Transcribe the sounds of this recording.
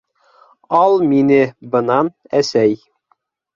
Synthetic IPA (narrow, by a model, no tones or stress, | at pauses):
ɑlˠminɘbɤ̆nɑn | æsæj